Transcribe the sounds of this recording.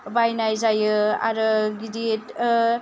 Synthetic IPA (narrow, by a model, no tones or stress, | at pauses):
bajnajzajɯa̰ɾɯɡidet